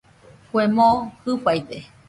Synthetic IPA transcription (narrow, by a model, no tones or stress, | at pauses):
kʷemohɨpajp̪e